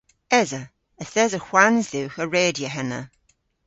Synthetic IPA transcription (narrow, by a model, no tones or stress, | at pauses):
ɛzə | əθɛzəxwanzðɪwxəɹeːdjəɦɛnə̰